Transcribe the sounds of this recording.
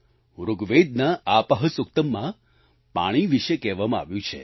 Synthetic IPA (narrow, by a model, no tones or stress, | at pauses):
ɾuɡʋed̪̚naapəɦəsʊk̚t̪əmːã | pa̰ɽ̃iʋiʃekɛʋamãa̰ʋjũt͡ʃʰḛ